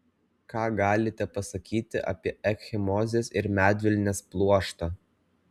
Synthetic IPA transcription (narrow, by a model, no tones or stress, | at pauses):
kɑːɡɑːlʲɪt̪ʲɛpɐsɐkʲiːt̪ʲɪʔɐ̰pʲiɛʔɛkxʲɪmɔːzʲeːsɪɾmʲæːd̪ʲʋʲɪlʲnʲeːsplˠuɔʃt̪ɑː